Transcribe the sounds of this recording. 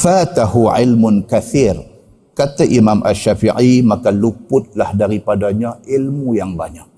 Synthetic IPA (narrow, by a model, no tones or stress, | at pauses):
fat̪ahuʕɪlmʊnkaθir | kat̪aʔimamʔa̰ʃːafiʕimakalupʊt̪̚lahdaɾipadaɲaʔilmujaŋbaɲak̚